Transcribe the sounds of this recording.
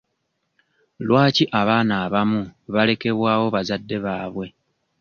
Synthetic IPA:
lwaːciʔaβaːnaːβamuβale̞ke̞βwaːwo̞βazadːe̞βaːβwe̞

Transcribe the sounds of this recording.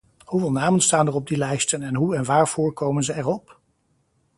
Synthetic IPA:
huvɪːlˠnaːmənstaːndərɔb̚dilɛjstənɛnɦuɛnʋaːɹv̥ʊːɹkowmənzəɛɹɔp

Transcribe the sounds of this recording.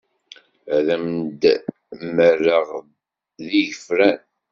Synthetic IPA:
ðæmd̪ | mərːəʁ | ðiʝəfɾæn

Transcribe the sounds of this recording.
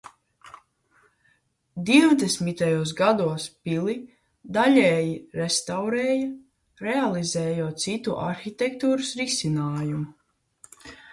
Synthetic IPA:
d̪iwd̪esmit̪ajuɔs̬ɡad̪uɔspili | d̪alʲɛːjiɾest̪awɾɛːja | ɾɛalˠizɛːjuɔt̪̚t̪sit̪uʔa̰ɾxit̪ɛkt̪uːɾəsɾisʲinaːjumu

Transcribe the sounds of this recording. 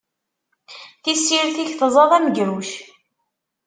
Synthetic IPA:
θisːiɾθiçθzˤɑðˤæmɡɾuʃ

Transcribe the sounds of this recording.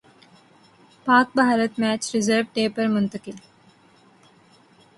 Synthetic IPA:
paːk̚bɐɦaɾət̪mɛːt͡ʃɾɪzəɾʋʈeːpəɾmʊnt̪əkɪl

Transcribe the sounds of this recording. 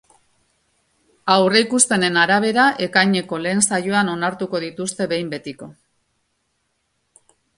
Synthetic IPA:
awre̞ikust̪e̞ne̞naɾaβ̞e̞ɾaʔe̞kajɲe̞ko̞le̞ːnsajoano̞naɾt̪uko̞ðit̪ust̪e̞βe̞jmbe̞t̪iko̞

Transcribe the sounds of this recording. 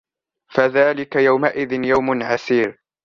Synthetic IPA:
faðaːlɪkajawmaʔɪðɪnjawmʊnʕasiːɾ

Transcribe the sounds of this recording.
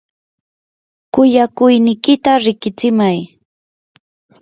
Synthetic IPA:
kʊjakʊjnɪkɪt̪aɾɪkɪt͡ʃɪmaj

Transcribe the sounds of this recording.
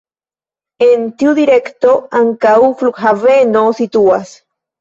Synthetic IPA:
ent̪juðiɾekt̪oaŋkauflukɦavenosit̪uas

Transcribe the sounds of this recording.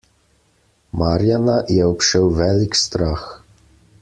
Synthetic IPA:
maːɾjanajɛɔpʃɛwʋɛːlikst̪ɾaːx

